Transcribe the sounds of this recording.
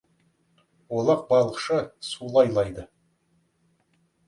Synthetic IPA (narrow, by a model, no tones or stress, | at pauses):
wolˠɑq̚bɑlˠəqʃəsulˠɑjlˠɑjd̪ə